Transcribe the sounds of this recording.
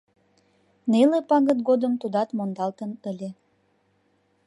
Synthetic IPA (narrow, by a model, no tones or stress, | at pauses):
nelepɑɣət̪̚ɡod̪əmt̪ud̪ɑt̪mond̪ɑlt̪ənəlʲe